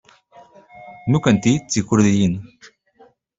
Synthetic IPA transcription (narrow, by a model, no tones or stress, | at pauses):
nukənt̪it͡sːikuɾðijin